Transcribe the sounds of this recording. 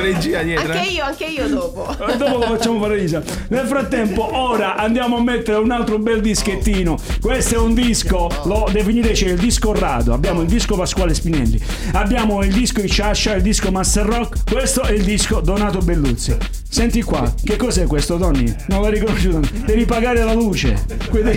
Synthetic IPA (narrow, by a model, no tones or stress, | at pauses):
ɾed͡ʒiːajɛːaɾaiːoaŋkeiːod̪oːpo | d̪ɔːpolofat͡ʃːaːmofaɾeid͡ʒa | nelfɾat̪ːɛmpoʔɔːɾaʔand̪jaːmoamːet̪ːeɾeunalt̪ɾobɛld̪isket̪ːiːnokwest̪ɛund̪iskolɔd̪efiniɾɛt͡ʃɛild̪iskorːa̰ːd̪oa̰bːjaːmoild̪iskopaskwaːlespinɛ̰lːḭ | abːjaːmoild̪iskoit͡ʃːaʃːaild̪iskomasɛrːɔkkːwest̪oʔɛild̪iskod̪onaːt̪obelːut̪sːi | sɛnt̪ikːwa̰k̟ekːɔsɛkːwest̪od̪ɔnːḭnonlarːikonoʃud̪ɔnd̪ɛvipaɡaːɾelaluːt͡ʃḛkwed̪